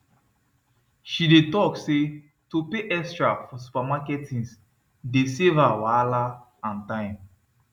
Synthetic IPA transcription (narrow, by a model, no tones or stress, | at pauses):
ʃidetɔkse | topeʔɛkstɹafɔs̬u̥pamakɛtĩns | desevawala | ãntãɪ̃m